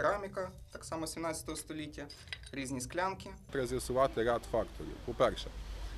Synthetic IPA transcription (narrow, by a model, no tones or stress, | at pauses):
ɾamʲɪkɐt̪aksamɔsʲɪmnat̪sʲət̪ɔʋɐst̪ɔlʲitʲjɐ | ɾʲiznʲisklʲankʲɪt̪ɾɐzʲjɐsʊʋat̪ɛɾʲat̪fakt̪ʰɔɾʲḭpɔpɛɾʃɛ̰